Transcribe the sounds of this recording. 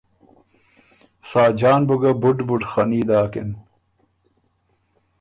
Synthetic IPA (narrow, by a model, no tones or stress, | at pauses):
saːd͡ʑaːnbuɡɐbuʈbuʈxɐniːd̪aːkḛn